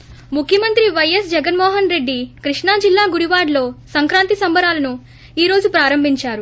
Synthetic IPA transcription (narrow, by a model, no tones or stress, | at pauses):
mukʰjɐmɐnt̪ɾiʋɐjɐsd͡ʒɛɡɐnmɔːɦɐnɾe̞ɖːikɾiʂɳaːd͡ʒilːaːɡuɽiʋaːɽlo̞ːsɐŋkɾaːnt̪isɐmbɐɾaːlɐnu | iːɾo̞ːd͡ʒupɾaːɾɐmbʱiɲt͡ʃaːɾu